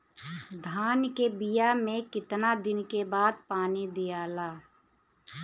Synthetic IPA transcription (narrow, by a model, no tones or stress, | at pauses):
d̪ʱaːnkebijamẽkɪt̪nad̪ɪnkebaːd̪̚paːnid̪ijaːlaː